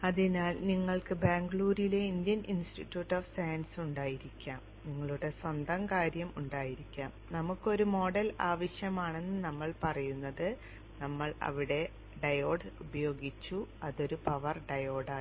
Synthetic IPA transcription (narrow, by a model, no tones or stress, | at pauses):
ɐðinaːlniŋːɐɭkɨbaːŋɡɭuːɾijle̞ind̪jɐnʔinsʈitːjuːʈːoːfsɐjɐnsuɳɖaːjiɾikʲːaːm | niŋːɐɭuɽe̞swɐnd̪ʱɐmkaːɾjɐmuɳɖaːjiɾikʲːaːmnɐmukːo̞ɾumo̞ːɽɐlaːʋɐɕjɐmaːɳe̞nːɨnɐmːɐɭpɐrɐjunːɐðɨ | nɐmːɐɭɐ̰ʋiɽe̞ | ɖɐjo̞ːɖubɐjo̞ːɡit͡ɕːuɐðo̞ɾupɐʋɐrɖɐjo̞ːɖaː